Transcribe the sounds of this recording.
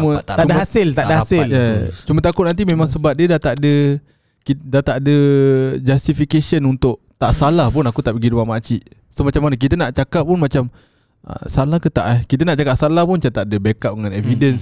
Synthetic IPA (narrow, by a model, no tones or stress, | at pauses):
mət̪damasɪlt̪adahasɪljət͡ʃumət̪akʊt̪̚nant̪̬imẽmaŋsəbat̚diədat̪aʔdə | kidat̪aʔdəd͡ʒast̪ifikesənunt̪ʊʔ | t̪aʔsalahpʊnakut̪aʔpəɡiduamat͡ʃiʔsomat͡ʃamanək̬it̪ənaʔt͡ʃakap̚ːʊnmat͡ʃam | ə̰salahkət̪aʔakit̪ənaʔt͡ʃakaʔsalahpʊnt͡ʃat̪aʔdəbekap̚dəŋãnɛvidəns